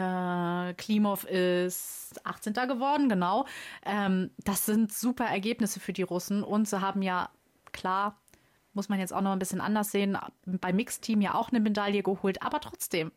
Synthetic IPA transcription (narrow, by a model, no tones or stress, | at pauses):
ʔɛːkʰl̥iːmɔfɪst | ʔaχt͡sɛntɐɡəvɔɐdn̩ɡənaʊʔɛːmd̥asz̥ɪntz̥uːpɐʔɛɐɡeːpnɪsəfyːɐdiːʁʊsn̩ʔʊntz̥iːɦaːbm̩jaː | kʰl̥aːɐ | mʊsmanjɛt͡staʊxnɔχnbɪsçənʔa̰ndɐsz̥eːən̰b̥aɪmːɪkstʰiːmja̰ːʔa̰ʊxnəmedaljəɡəhoːltʔa̰ːbɐtʁ̥ɔt͡sd̥eːm